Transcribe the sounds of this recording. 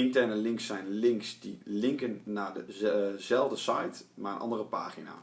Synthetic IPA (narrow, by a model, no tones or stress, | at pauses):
ɪntɛɹnəlɪŋksɛjnlɪŋksdilɪŋkənːaːɹdəzɛlˠvdəsɑ̰jtmaːɹənʔɑ̰ndərəpaːχina̰ː